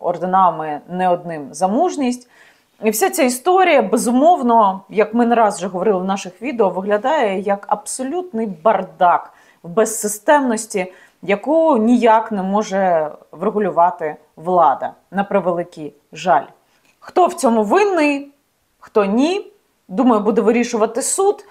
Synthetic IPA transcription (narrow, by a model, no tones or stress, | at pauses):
ɔrd̪ɪnɑʋmɛnɛɔd̪̚nɪmzɐmuʒnʲisʲtʲ | iwsʲat͡sʲaist̪ɔɾʲijɐbezʊmɔwnɔjɐkmɪnɾɑzʒɛɦɔʋɔɾɪlˠɪwnɑʃɪxʋʲid̪eɔʋɪɦlʲɐd̪ɑjɛjɐkɐbsɔlʲut̪nɪjbɐrd̪ɑk | wbɛsːɪst̪ɛmnɔsʲtʲi | jɐkunʲijaknɛmɔʒɛʋɾeɦʊlʲʊʋɑt̪ɪ | ʋlˠɑd̪ɐ̰ | nɐpɾɪʋelˠɪkʲij | ʒɑ̰lʲ | xt̪ɔwt͡sʲɔmuʋɪnːɪj | xt̪ɔnʲi | d̪umɐjʊbud̪ɛʋɪɾʲiʃʊʋɐt̪ɪsud̪